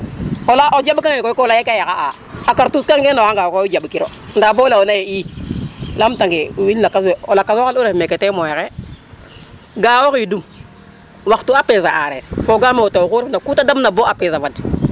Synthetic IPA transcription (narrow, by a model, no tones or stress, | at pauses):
olaʔod͡ʒabkaŋekoɔlajekajakaa̰ | akaɾtuskaŋɡenaaŋɡawkoid͡ʒabkiɾo̰ | ndabolaonajei | lamtaŋɡewilnakaseolakasaluɾefmekɛtemojɛkɛ | ɡaːwokidum | waktuapezaʔaɾɛ̰foɡameotokuɾfnakutadamnaboapezavad